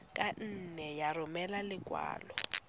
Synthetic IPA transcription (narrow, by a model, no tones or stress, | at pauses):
kʼan̩nɛjarʊmɛlalɪɡʼwa̰ːlɔ